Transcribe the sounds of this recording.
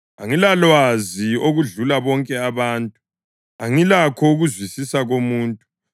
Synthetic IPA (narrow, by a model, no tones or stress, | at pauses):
aŋilalwazioɣuɮulaβɔŋkʼɛaβaːntʼu | aŋilakʰɔuɣuzwisisaɣomuːntʼu